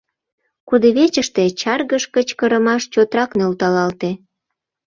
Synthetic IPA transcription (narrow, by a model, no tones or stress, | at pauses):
kud̪eβet͡ɕəʃt̪et͡ɕɑrɣəʃkət͡ɕkəɾəmɑʃt͡ɕot̪ɾɑknølt̪ɑlɑlt̪e